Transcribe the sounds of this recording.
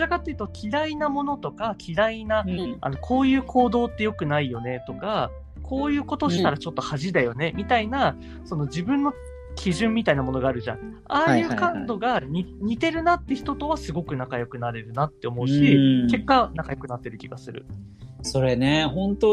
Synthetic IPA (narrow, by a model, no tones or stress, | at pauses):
akat̪ːejɯ̟t̪okʲʰiɾainamo̞no̞t̪o̞kakʲʰiɾainaa̰no̞kʰo̞ːjɯ̟ːkʰo̞ːd̪o̞ːt̪ːe̞jo̞kɯ̟naijo̞ne̞t̪o̞ka | kʰo̞ːjɯ̟ːko̞t̪o̞ɕi̥t̪aɾat͡ɕo̞t̪ːo̞haʑid̪ajo̞ne̞mʲit̪aina | so̞no̞d͡ʑibɯ̟̃nːo̞ | kʲʰiʑɯ̃mːʲit̪ainamo̞no̞ɡaːɾɯ̟ʑã̰ŋ̃ | aːjɯ̟ːkãnd̪o̞ɡaɲʲiɲ̟it̪e̞ɾɯ̟nat̪ːe̞çi̥t̪o̞t̪o̞βasɨɡo̞kɯ̟nakajo̞kɯ̟naɾe̞ɾɯ̟nat̪ːe̞o̞mo̞ɯ̟ɕike̞kːanakajo̞kɯ̟nat̪ːe̞ɾɯ̟kʲiɡasɨɾɯ̟̰ | so̞ɾeneɦõ̞nt̪o